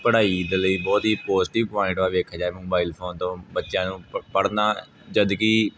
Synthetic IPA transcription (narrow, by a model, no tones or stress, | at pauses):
pəɽaːid̪ləiːbɔːt̪ɦiːpoːzʈɪʋpɔːɪ̃ɳʈʋaːʋeːkʰaːd͡ʒaːeːmoːbaːiːlpʰoːnt̪õːbətːʃjãːnũːpəɽnaː | d͡ʒəd̪kiː